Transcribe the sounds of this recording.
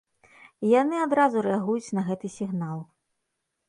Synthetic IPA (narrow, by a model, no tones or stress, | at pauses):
janɨad̪ɾazuɾɛaɣujut͡sʲnɐɣɛt̪ɨsʲiɣnalˠ